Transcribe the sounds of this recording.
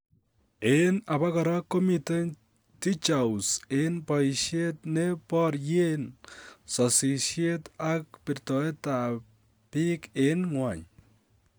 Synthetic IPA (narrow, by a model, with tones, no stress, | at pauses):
ena˨βa˦kaɾa˦ko˦mite˦ | ti˦t͡ʃawsenpa˨jʃje˦t̚nepɔɾje˦nsɔsi˨ʃje˦ta˦k̚pɪ˨ɾtɔe˦ta | pi˦kenŋwa˨ɲ